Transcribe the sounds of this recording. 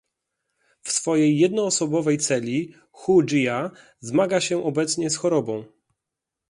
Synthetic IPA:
fsfɔjejːɛd̪nɔːsɔbɔvɛjt̪sɛlʲi | xud͡ʒija | zmaɡaɕɛʔɔbɛt̪sɲɛsxɔɾɔbɔ̃w̃

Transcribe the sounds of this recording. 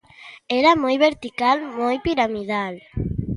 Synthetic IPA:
ɛɾamojβeɾt̪ikalmojpiɾamiðal

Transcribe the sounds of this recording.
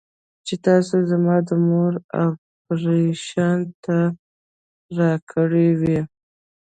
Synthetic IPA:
t͡ʃet̪ɑsozamɑd̪əmoɾa̰ | ɾeʃɑnt̪ʰa | ɾɑkʰəɽewi

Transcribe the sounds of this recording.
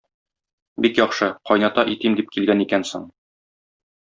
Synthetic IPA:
bikjɒχʃɤqɒjnɑt̪ɑʔit̪imd̪ip̚kilɡænikænso̰ɴ

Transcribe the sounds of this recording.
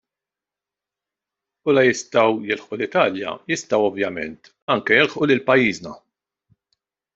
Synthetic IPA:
ʊːlɐjɪst̪ɐwjɪlħʔulɪt̪ɐːljɐ̰jɪst̪ɐwɔvjɐmɛ̰nt̪ | ɐŋkɛjɪlħʔulɪlpɐjːiːznɐ

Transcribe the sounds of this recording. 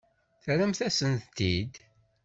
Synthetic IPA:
θɾæmθæsənt̪t̪ːid̪

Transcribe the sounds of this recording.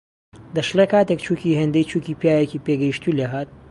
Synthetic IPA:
d̪ɐʃlekaːt̪ekt͡ʃʰuːciɦend̪ejt͡ʃʰuːciːpjaːjeciːpeɡɐjiʃt̪uleɦaːt̪̚

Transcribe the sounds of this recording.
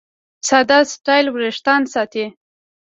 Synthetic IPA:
sad̪asʈɑjlwɾeʂt̪ɑnsɑt̪e

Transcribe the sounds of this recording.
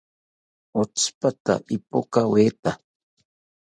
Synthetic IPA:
ot͡spat̪a̰ʔɪpokaweːt̪a

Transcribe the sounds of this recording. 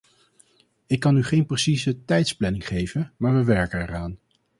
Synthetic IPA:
ɪkːɑnyχejnprəsizətɛjtsplɛnɪŋχejvənmaːɹʋəʋɛɹkənɛraːn

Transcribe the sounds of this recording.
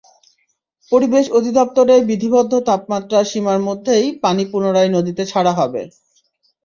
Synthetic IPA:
poɾibeʃod̪ʱid̪ɔp̚t̪oɾeɾbid̪ʱibɔd̪ʱːot̪apmat̪ːɾaʃimaɾmod̪ʱːejpanipunoɾaenod̪it̪et͡ɕʰaɽaɦɔbḛ

